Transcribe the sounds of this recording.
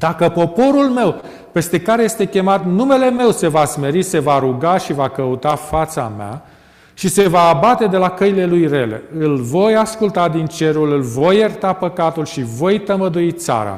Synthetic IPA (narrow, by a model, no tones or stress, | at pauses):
d̪akəpo̞po̞ɾulme̞w | pe̞st̪e̞kaɾeje̞st̪e̞kʲe̞mat̪nume̞le̞me̞wse̞vasme̞ɾise̞vaɾuɡaʃivakəut̪afat̪sa̰mea̰ | ʃise̞vaːbat̪e̞d̪e̞lakəile̞lujre̞le̞̰ɨlvo̞jaskult̪ad̪int͡ʃe̞ɾulɨlvo̞jːert̪apəkat̪ulʃivo̞jt̪əməd̪uit̪sa̰ɾa̰